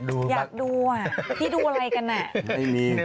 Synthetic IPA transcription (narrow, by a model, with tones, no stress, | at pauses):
du˧jaː˨˩k̚duː˧a˨˩t̪ʰiː˥˩duː˧ʔa˧ɾa˧jka˧nːa˨˩ma˦˥˩jmiː˧